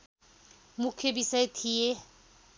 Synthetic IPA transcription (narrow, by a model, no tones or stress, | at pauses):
mʊkʰebisaetʰie